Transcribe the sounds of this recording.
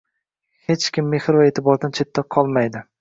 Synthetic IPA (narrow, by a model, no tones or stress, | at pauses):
het͡ʃkʲʰɪmːehɾvaet̪ʰɪbɒɾd̪ant͡ʃʰe̞t̪ʰːaqʰɒlˠmajd̪ɪ